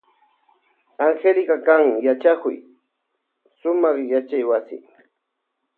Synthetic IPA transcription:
aŋxelkakaŋjat͡ʃakʊ̰j | sʊmɑχjat͡ʃajwasɪ̰

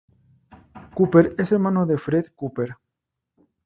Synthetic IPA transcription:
kupeɾese̞ɾmãnoðe̞fɾeðkupeɾ

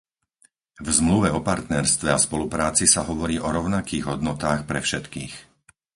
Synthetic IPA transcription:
vzmluʋɛɔpaɾt̪nɛɾst̪ʋɛaspɔlupɾaːt͡sisaɦɔʋɔɾiːʔɔɾɔʊnakiːɣɦɔd̪nɔt̪aːxpɾɛfʃɛt̪kiːx

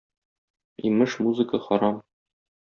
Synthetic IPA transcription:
imɘʃmuzɨkəχɒɾɑm

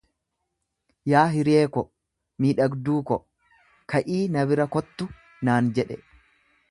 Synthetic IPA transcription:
jaːɦɪɾeːkɔ | miːᶑɐɡd̪uːkɔ | kʰɐʔiːnɐβɪɾɐkɔt̪ːʊ | naːnd͡ʒɛᶑɛ

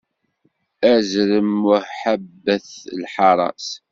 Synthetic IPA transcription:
æzɾəmʊɾħabːəθlħɑɾˤɑ̰s

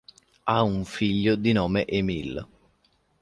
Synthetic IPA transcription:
auɱfiʎːod̪inɔːmeʔemil

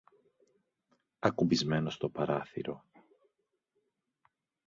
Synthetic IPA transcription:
ɐkubizme̞no̞st̪o̞pɐɾɐθḭɾo̞̰

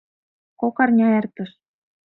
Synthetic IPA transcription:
kokɑrnʲɑert̪ɤ̆ʃ

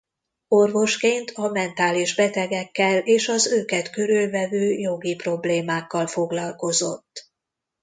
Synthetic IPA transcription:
o̞rvo̞ʃkeːnt̪ʰɒmɛnt̪aːliʒbɛt̪ɛɡɛkːɛleːʃɒzøːkɛt̪køɾylvɛvøːjo̞ɡipro̞bleːmaːkːɒlfo̞ɡlɒlko̞zo̞t̪ː

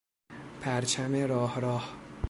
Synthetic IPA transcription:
pʰæɾt͡ʃʰæmeɾɒːhɾɒːh

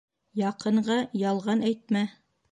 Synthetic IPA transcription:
jɑqɤ̆ɴʁɑjɑlˠʁɑnæjt̪̚mæ

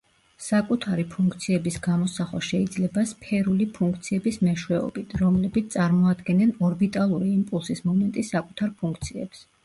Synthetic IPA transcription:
sakʼut̪ʰaɾipʰuŋk̚ʰt̪sʰiɛbisɡamɔsaχwa̰ʃɛid̪zlɛbaspʰɛɾulipʰuŋk̚ʰt̪sʰiɛbismɛʃwɛɔ̰bit̪ʰɾɔmlɛbit̪t̪sʼaɾmɔad̪ɡɛnɛnɔɾbit̪ʼalˠuɾiːmpʼulˠsismɔmɛnt̪ʼisakʼut̪ʰaɾpʰuŋkʰt̪sʰiɛ̰ps

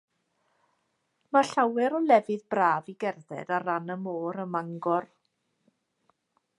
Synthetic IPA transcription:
maɬawɛɾɔlɛvɨðbraːviɡɛrðɛ̰daɾanəmoːɾəmaŋɡɔr

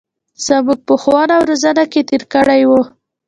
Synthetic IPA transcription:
z̥əmuɡ̚pəxwɑnawɾazanaket̪iɾkəɽajwu

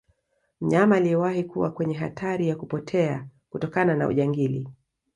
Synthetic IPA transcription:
m̩ɲamaːliɛwahikuwakwɛɲɛɦa̰tʰaɾijakupɔtʰɛakutɔkanana̰ṵʄaŋɡilḭ

